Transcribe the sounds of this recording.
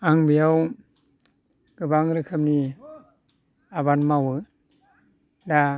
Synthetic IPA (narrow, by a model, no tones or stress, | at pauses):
aŋbijaw | ɡ̥ɯbaŋɾɯkʰɯp̚ni | aβanmawɯ | da